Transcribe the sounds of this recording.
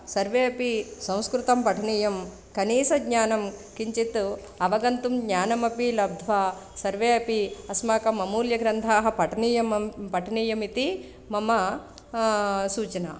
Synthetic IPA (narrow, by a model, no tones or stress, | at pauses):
sɐɾʋeːɐpisɐ̃w̃skɾut̪ɐmpɐʈʰɐniːjɐm | kɐniːsɐɡɲaːnɐmkiɲt͡ʃit̪u | ɐʋɐɡɐnt̪umɡɲaːnɐmɐpilɐb̚d̪ʱʋaːsɐɾʋeːɐpiɐsmaːkɐmːɐmuːljɐɡɾɐnd̪ʱaːɦɐ̆pɐʈɐniːjɐmpɐʈʰɐniːjɐmit̪i | mɐmɐ | suːt͡ʃɐna̰